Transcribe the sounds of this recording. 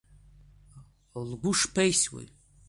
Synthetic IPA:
lɡʷʊʂpʰejswḛ

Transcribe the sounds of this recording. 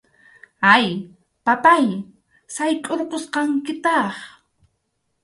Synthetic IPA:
aj | papaj | sajkʼoɾqosqɑŋkɪt̪ɑχ

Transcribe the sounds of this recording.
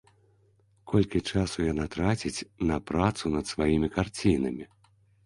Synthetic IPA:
kʰɔlʲkʲit͡ʂasujanat̪ɾat͡sʲit͡sʲnɐpɾat̪sunɐt̪svajimʲikart͡sʲinɐmʲi

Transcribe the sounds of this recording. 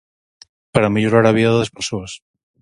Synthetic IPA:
paɾameʎoɾaɾaβ̞iðaððespeɾsoas

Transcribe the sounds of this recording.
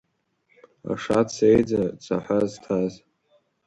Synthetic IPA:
a̰ʂat͡sʰejd͡zat͡sʰaħaztʰaz

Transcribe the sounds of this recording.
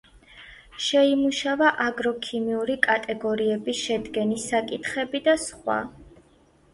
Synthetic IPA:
ʃɛimuʃavaʔaɡɾɔkʰimiuɾikʼat̪ʼɛɡɔɾiɛbisʃɛd̪ɡɛnisakʼit̪ʰχɛbid̪asχwa̰

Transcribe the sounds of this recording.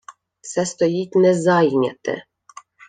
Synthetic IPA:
sɛst̪ɔjitʲnɛzajnʲa̰t̪ɛ̰

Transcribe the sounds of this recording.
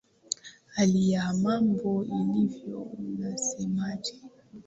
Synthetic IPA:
alijamambɔilivjɔ̰unasɛmad͡ʒɛ

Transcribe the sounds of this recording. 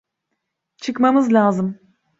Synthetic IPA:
t͡ʃʰɯkmamɯzlʲaːzɯm

